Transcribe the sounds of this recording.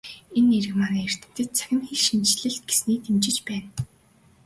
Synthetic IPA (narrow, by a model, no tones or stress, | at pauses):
enːeɾɘ̆kmanæːer̥t̪ɘ̆m̥t̪ɘ̆t̪̚t͡sʰæ̥xʲɪ̆mxiɮʃint͡ɕɮɘ̆ɬt̪̚ɡ̥e̥sniːt̪ʰemt͡ɕɪ̆t͡ɕpæːn